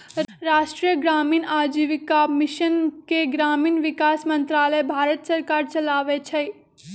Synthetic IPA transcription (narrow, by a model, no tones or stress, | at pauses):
ɾaːʃʈɾijəɡɾaːmiːnaːd͡ʒiʋikamɪʃənkeɡɾaːmiːnʋɪkaːsmə̃nt̪ɾaːləjbʱaːɾət̪səɾkaːɾt͡ʃɐlaːʋet͡ʃʰə